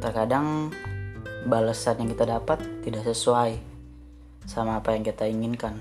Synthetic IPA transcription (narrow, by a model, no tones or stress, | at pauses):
t̪ərkadaŋ | balasanjaŋkit̪adapat̪ːidaʔsəsuaj | samaːpajaŋkit̪aiŋinkan